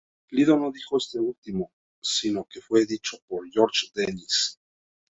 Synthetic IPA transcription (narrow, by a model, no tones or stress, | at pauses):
liðono̞ðixo̞e̞st̪e̞ult̪imo̞ | sino̞ke̞fwe̞ðit͡ʃo̞po̞ɾjo̞ɾt͡ʃd̪enis